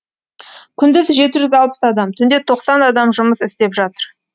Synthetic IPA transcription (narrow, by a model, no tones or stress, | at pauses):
kʲʰʏnd̪ɪzʒe̞t̪ɪʒʏzɑlˠpə̥sɑd̪ɑmt̪ʰʏnd̪e̞t̪ʰo̞qsɑnɑd̪ɑmʒʊməsɪst̪e̞pʒɑt̪əɾ